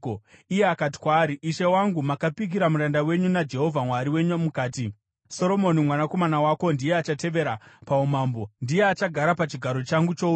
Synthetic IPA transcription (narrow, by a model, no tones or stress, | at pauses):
ijeakat̬i̥kwaːɾiʔiʃewaŋɡumakapik̬iɾamuɾandawe̞ɲunad͡ʒe̞ɦo̞vʱamwaɾiwe̞ɲuamukaːti | so̞ɾo̞mo̞nimwanako̞manawako̞ndijeat͡ʃate̞ʋe̞ɾapaumaːmbo̞ndijeat͡ʃaɡʱaɾapat͡ʃiɡʱaɾo̞t͡ʃaŋɡut͡ʃo̞u